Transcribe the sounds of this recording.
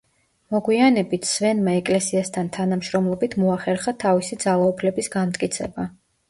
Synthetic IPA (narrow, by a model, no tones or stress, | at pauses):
mɔɡwianɛbit̪ʰsvɛnmaɛkʼlɛsiast̪ʰant̪ʰanamʃɾɔmlˠɔbit̪ʰmɔaχɛɾχat̪ʰavisid̪zalˠaupʰlɛbisɡamt̪ʼkʼit̪sʰɛ̰ba